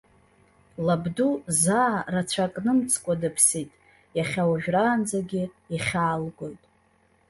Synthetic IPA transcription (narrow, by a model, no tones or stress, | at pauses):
labduzaːrat͡ɕʷʰakʼnɨmt͡sʰkʷʼadɨpʰsitʼ | jaχʲawaʒᶣraːnd͡zaɡʲɪ | iχʲaːlɡʷo̞jtʼ